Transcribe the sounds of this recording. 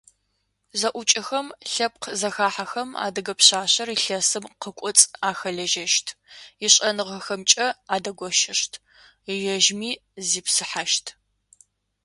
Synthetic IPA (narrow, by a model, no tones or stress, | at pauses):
zɐʔʷʊt͡ʃʼɪxɐmɬɐp̚qʰzɐxaːħaxɐma̰ːdɨɡɐpɕaːɕɐriɬɐsɨmqəkʷʼɔt͡sʼaːxɐɮɐʒɐʃtʰiɪɕʼɐnɨʁɐxɐmt͡ʃʼɐaːdɐɡʷɔʃɪɕtʰ | jɐʒmiːziːpsɨħaʃtʰ